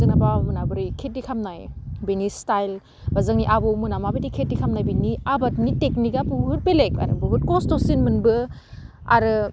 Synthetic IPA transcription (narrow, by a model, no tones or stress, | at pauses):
zɯnabamɯnabɯɾikʰet̚dikʰamnajbenistajl | bazaŋniʔabowmɯnamabedikʰet̚dikʰamnajbiniabɐt̚niteknikapuɯt̚peleka̰ɾɯ̰bɯɡut̚kɔstosinmɯnbɯ | a̰ɾɯ